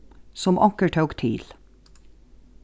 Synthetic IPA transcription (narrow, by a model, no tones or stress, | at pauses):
sɔmʔɑŋkəɹʈʰœːkt̪ʰiːl